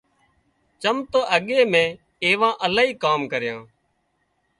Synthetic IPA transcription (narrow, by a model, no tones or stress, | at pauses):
t͡ʃəmt̪oːʔəɠeːmẽː | eːʋãːʔəlaːɦiːkaːmkəɾjãː